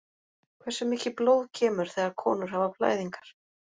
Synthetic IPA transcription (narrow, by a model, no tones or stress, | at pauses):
kʰvɛsːʏmɪːcɪploːwðcʰɛːmʏɾ̥θɛɣaɾkʰɔ̰ːnʏɾ̥havapʰla̰ːjðiŋkḁɾ̥